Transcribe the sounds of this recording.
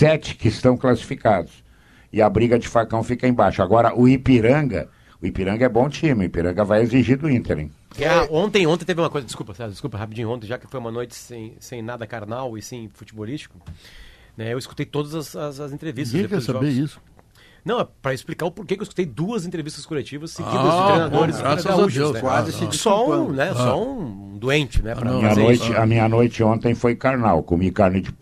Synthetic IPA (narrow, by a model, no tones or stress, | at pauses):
sɛt͡ʃɪ̥kɪst̪ɐ̃w̃klasi̥fikad̪ʊs | ɪɐbɾiɡɐd͡ʒɪfakɐ̃w̃fikɐẽj̃baʃʊaɡɔɾɐʔʊipiɾɐ̃ɡɐ̰ | ʊipiɾɐ̃ŋɡɐɛbõw̃t͡ʃĩmɪʊipiɾɐ̃ɡɐvajeziʒiɾd̪ʊĩnt̪eɾḛ̃ | ɛõt̪ẽj̃õt̪ẽt̪evɪũmɐkojzɐd͡ʒɪskupɐsad͡ʒɪskupɐɦapid͡ʒĩʊõt̪ẽj̃ʒakɪ̥fojũmɐnojt͡ʃɪ̥sẽj̃sẽj̃nad̪ɐkaɾnawɪsẽj̃fut͡ʃibolist͡ʃi̥kʊ | nɛewɪsku̥t̪ejt̪od̪ɐzɐzɐzɐzẽnt̪ɾevist̪sẽkɛsabeisʊ̥ | nɐ̃w̃ɛpɾɐɪsplikaɾʊpoɾkekɪewɪsku̥t̪ejd̪uɐzẽnt̪ɾevist̪ɐskolet͡ʃivɐsːɪɡĩɾd̪̃ɾej̃nad̪oɾɪzaɾauʒeɛazɪsisɔũnɛsɔũ | d̪uẽnt͡ʃɪnɛpɾɐĩɲɐnojt͡ʃɪɐmĩɲɐnojt͡ʃɪõnt̪ẽj̃fojkaɾnawkomikaɾned͡ʒɪ